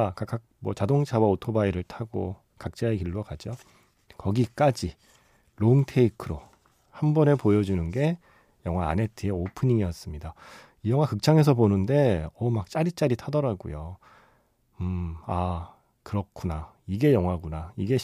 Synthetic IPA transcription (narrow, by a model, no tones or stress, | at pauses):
kak͈ak̚mwʌt͡ɕadoŋt͡ɕʰawaotʰobaiɾɯɭtʰaɡo̰ | kak̚t͡ɕ͈aekiɭːokad͡ʑo | kʌɡik͈ad͡ʑi | ɾoŋtʰe̞ikʰɯɾo | hambʌne̞pojʌd͡ʑunɯnɡe̞ | jʌŋɦwaːne̞tʰɯeopʰɯɲiŋijʌs͈ɯmɲida | ijʌŋwakɯk̚t͡ɕ͈aŋe̞s̬ʰʌbonɯnde̞ʌmak̚t͡ɕ͈aɾit͡ɕ͈aɾitʰadʌɾaɡujo | ɯa | kɯɾʌkʰuna | iɡe̞jʌŋwaɡunaiɡe̞